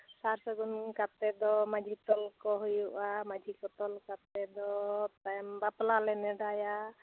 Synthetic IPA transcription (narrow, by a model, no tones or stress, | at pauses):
saɾsɔɡunkat̪ɛd̪ɔmad͡ʒʱit̪ɔlkɔɦujuʔamad͡ʒʱikɔt̪ɔlkat̪ɛd̪ɔt̪ajmbaplalɛnɛɖaja